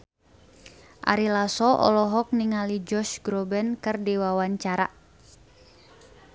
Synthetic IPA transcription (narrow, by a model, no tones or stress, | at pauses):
ʔa̰ɾilasɔʔɔ̰lɔɦɔk̚niŋalid͡ʒɔʃɡɾɔbɛnkɨrdiwawaɲt͡ʃaɾa̰